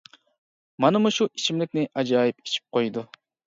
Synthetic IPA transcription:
mɑnɨmuʃuʔit͡ʃʰimlɪkʲnɪʔɑd͡ʒɑːjipi̥t͡ʃʰi̥p̚qʰojd̪u

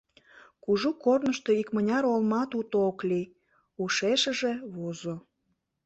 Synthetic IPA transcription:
kuʒukornəʃt̪oikmənʲɑɾolmɑt̪ut̪ooklij | uʃeʃə̆ʒeβozo

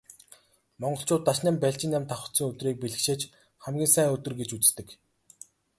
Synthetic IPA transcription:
mɔɴɢɞ̆ɬt͡ɕʰʊːt̪ːaʃnæːmpæɬt͡ɕɪ̆namt̪ʰaχə̥̆t̪sə̆ŋɵt̪riːk̚peɮɘ̆xʃeːt͡ɕ | χæmɡʲiːnsæːŋɵt̪ɵ̆rɡet͡ɕut͡st̪ɘ̆k

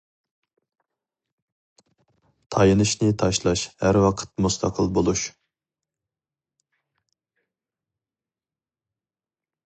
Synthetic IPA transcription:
t̪ʰɑjɨnɨʃnɨt̪ʰɑʃlˠɑʃhæɾwɑqʰə̥t̪̚must̪ʰɑqʰəlˠbolˠuʃ

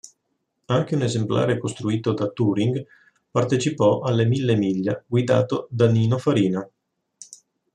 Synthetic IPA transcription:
aŋk̟eunezempla̰ːɾekost̪ɾuiːt̪od̪at̪uːɾiŋɡ | part̪et͡ʃipɔʔalːemilːemiʎːaɡwid̪a̰ːt̪od̪aniːnofaɾiːna

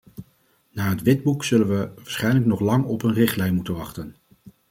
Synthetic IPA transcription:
naːɦətʋɪd̚buksɵlənʋəʋaɹsχɛjnlək̚nɔχlɑŋɔpənrɪχtlɛjnmutənʋɑχtən

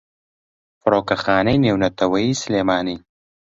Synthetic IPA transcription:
fʊɾoːkɐxaːnejneːwnɐt̪ʰɐwɐiːsleːmaːniː

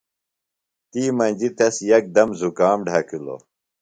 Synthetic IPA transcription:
t̪iːmɐnʲd͡ʑit̪ɐsjɐk̚d̪ɐmzukaːmɖʱɐkilo̰

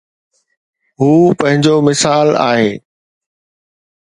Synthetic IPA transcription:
ɦuːpɐ̃ɦɪ̃ɲd͡ʑomɪsaːla̰ːɦeː

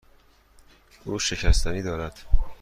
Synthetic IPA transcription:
ʔuːʃe̞cʰæst̪ʰæniːd̪ɒːɾæd̪̥

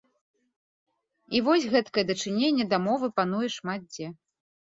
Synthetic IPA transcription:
ivɔsʲɣɛt̪kɐjɛd̪ɐt͡ʂɨnʲenʲːɛd̪amɔvɨpanujɛʂmat̪̚d͡zʲɛ

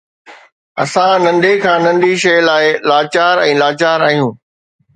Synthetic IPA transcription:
ɐ̰sãnɐ̃nɖekʰãːnɐ̃nɖiʃɐjlaːɪlaːt͡ɕaːɾɛ̃ːlaːt͡ɕaːɾaːɦijũː

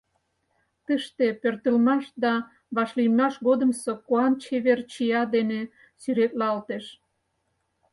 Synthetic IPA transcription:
t̪əʃt̪epørt̪əlmɑʃd̪ɑ | βɑʃlijmɑʃɣod̪əmsokoɑnt͡ɕeβert͡ɕijɑd̪ene | syɾet̪lɑlt̪eʃ

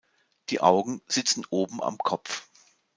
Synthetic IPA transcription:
d̥iːʔaʊɡŋ̩z̥ɪt͡sn̩ʔoːbm̩a̰mkʰɔpp͡f

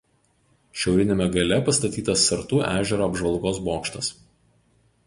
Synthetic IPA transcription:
ʃʲɛʊɾʲɪnʲeːmʲɛɡɐlʲɛpɐst̪ɐt̪ʲiːt̪ɐsːɐɾt̪uːʔæːʒʲɛɾoːɐbʒʋɐlˠɡoːsboːkʃt̪ɐs

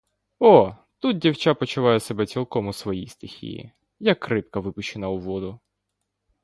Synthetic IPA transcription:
ɔ | t̪ut̪̚dʲiwt͡ʃapɔt͡ʃʊʋajɛsɛbɛt͡sʲilˠkɔmʊsʋɔjijst̪ɪxʲḭjḭ | jakːɾɪp̚kɐʋɪpʊʃt͡ʃɪnɐʊʋɔd̪ʊ

